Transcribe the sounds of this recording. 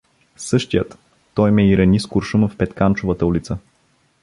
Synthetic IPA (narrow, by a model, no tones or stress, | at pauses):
sɤʃt̪ijət̪ː | ɔjmɛiɾɐniskʊɾʃuməfpɛt̪kant͡ʃʊvət̪əulit̪sə